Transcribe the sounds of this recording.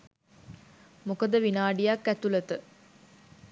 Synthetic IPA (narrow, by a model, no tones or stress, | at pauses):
mukəd̪əʋinaːɖijakːæt̪ulət̪ə